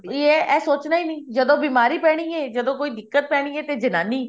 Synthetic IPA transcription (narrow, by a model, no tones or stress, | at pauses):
eɛːsoːt͡ʃnaːiːnəĩːd͡ʒəd̪õːbiːmaːɾiːpɛːɽ̃iːɛːd͡ʒəd̪õːkoːiːd̪ɪkːət̪̚pɛːɽ̃iːɛːt̪eːd͡ʒɪnaːniː